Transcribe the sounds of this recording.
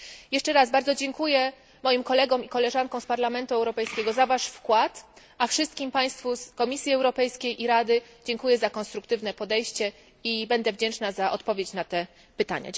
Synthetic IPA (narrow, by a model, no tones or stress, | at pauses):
jɛʂt͡ʂɛɾazbaɾd̪zɔd͡ʑɛŋkujɛ | mɔjimkɔlɛɡɔ̃mikɔlɛʐankɔ̃w̃spaɾlamɛnt̪uɛwɾɔpɛjskʲɛɡɔzavaʂfkwat̪ | afʂɘst̪kʲimpaj̃st̪fuskɔmʲisʲjiɛwɾɔpɛjskʲejʔiɾad̪ɘ | d͡ʑɛŋkujɛzakɔnst̪ɾukt̪ɘvnɛpɔd̪ɛjɕt͡ɕɛ | ibɛnd̪ɛvd͡ʑɛnt͡ʂnazaʔɔt̪pɔvʲjet͡ɕnat̪ɛ | pɘt̪a̰ɲa̰